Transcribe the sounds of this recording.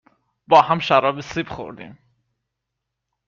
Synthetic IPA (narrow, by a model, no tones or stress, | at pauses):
bɒːhæmʃæɾɒːbesibxo̰ɾd̪ḭm